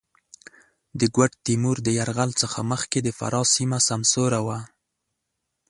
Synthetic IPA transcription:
d̪əɡwaʈt̪imuɾd̪əjaɾɣalt͡səxa̰məxked̪əfa̰ɾɑsimasamsoɾawa

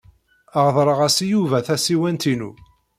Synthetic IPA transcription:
əʁðˤɾˤəʁæsijuvæθæsiwænt̪inṵ

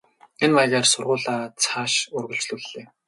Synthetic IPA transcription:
enwaʁʲaːrsʊrʁʊːɮaːt͡sʰaːʃʊrɣɵ̆ɬt͡ɕɮuːɮːeː

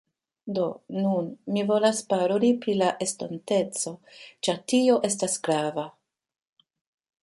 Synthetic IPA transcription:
do̞nunmivo̞laspaɾolipɾilaʔe̞stonte̞t͡so̞t͡ʃaɾtio̞ʔe̞s̬tasɡɾava

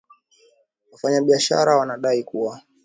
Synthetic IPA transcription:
wafaɲaɓiaʃa̰ɾawanaɗaikuwa

